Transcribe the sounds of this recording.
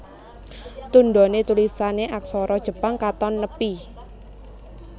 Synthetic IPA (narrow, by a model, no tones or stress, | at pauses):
t̪und̪ɔnet̪ulisaneʔak̚sɔɾɔd̥ʒ̥ə̤paŋkat̪ɔnːəpi